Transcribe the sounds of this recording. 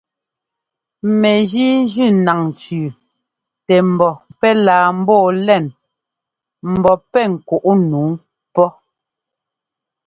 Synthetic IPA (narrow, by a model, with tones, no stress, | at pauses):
mɛ˨d͡ʒi˦d͡ʒʉ˦˨na˨ŋ˨t͡ʃʉː˨ | tɛ˨m̩˨bɔ˨pɛ˦laː˨m̩˦bɔː˦˨lɛ˦˨n | m̩˨bɔ˨pɛ˦ŋ̩˨ku˨ʔu˦nu˨˦ŋ | pɔ˦